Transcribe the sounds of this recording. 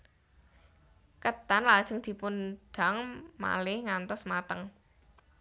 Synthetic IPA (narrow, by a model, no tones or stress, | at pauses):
kət̪anlad̥ʒ̥ə̤ŋd̪̥i̤pund̪̥a̤ŋma̰lɪhŋant̪ɔsmat̪əŋ